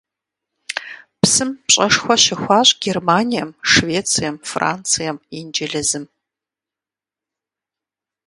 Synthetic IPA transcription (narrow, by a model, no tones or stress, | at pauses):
psɨmpɕʼɐʂxʷɔʃɐxʷɑːɕʼɡʲermaːnijɐmʂveːt͡sʰijɛmfra̰ːnt͡sʰɨjɐmind͡ʒɐɮɐzɨm